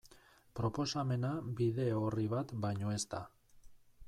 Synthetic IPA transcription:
pɾo̞po̞same̞nabiðe̞oriβat̪bajɲo̞e̞st̪a

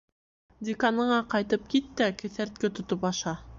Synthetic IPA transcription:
d̪ʲɪkanɤ̆ɴɑqɑjt̪ɤp̚kit̪ːækɘ̆θæɾt̪̚kɘt̪ŏt̪opɑʃɑ

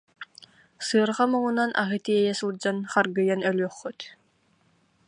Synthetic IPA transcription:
sɯːɾʁamɯŋunanʔa̰ɦɯt̪iɛjɛsɯlˠd͡ʑanχaɾɡɯjanœlʲyœχːɯt̪

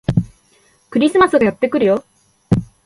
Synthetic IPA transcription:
kɯɾisʰɯmas͈ʰɯɡajʌp̚t͈ek͈ɯɾijo

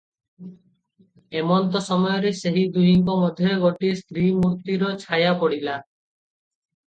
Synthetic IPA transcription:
emɔnt̪ɔsɔmɔjɔɾeseɦid̪ujiŋkɔmɔd̪ʱːjɔɡoʈist̪ɾimuɾt̪iɾɔt͡ʃʰajapɔɽila

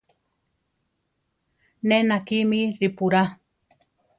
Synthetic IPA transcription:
nenakimiɾipuɾa

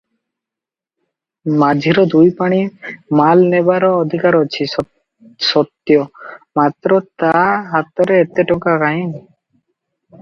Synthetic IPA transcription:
mad͡ʒʱiɾɔd̪ujpaɽ̃imalnebaɾɔːd̪ʱikaɾɔt͡ʃʰi | sɔt̪jɔmat̪ɾɔt̪aɦat̪ɔɾeːt̪eʈɔŋkakaɦĩn

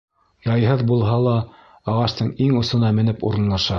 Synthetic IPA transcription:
jɑjɦɤðbulˠɦɑlˠɑ | ɑʁɑʃt̪ɤɴiŋŏsɤ̆nɑmɘ̆nɘpṵɾɤ̆nlˠɑʃɑ

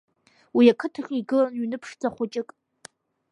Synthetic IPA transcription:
wiakʰɨtʰaχʲʼiɡɨlanɥinɨpʰʂd͡zʼaχʷʊt͡ʃʼɪkʼ

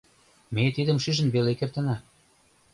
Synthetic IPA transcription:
met̪id̪ə̆mʃyʒə̆nβelekert̪ə̆nɑ

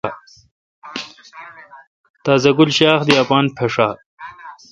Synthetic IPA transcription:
t̪aːzɐɡulɕaːxd̪iapaːnpʰeʂaː

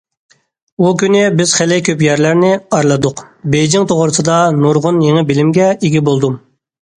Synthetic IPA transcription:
ukʲynɪbɪz̥χɛlɪkʲʰøpjɛɾlæɾnɪɑɾlˠɨd̪ʊqbejd͡ʒɪŋt̪ʰoʁʊɾɨsɨd̪ɑnuɾʁʊnjeŋɪbɪlɪmɡʲɛiɡʲibolˠd̪um

